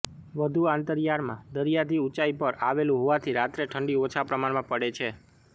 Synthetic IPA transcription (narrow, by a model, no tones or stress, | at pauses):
ʋəd̪ʱuant̪əɾjaɾmã̰d̪əɾjad̪ʱiut͡ʃaipəɾaʋelũɦoʋat̪ʰiɾat̪ɾeʈʰəɳɖiot͡ʃʰapɾəmaɽmãpəɽet͡ʃʰe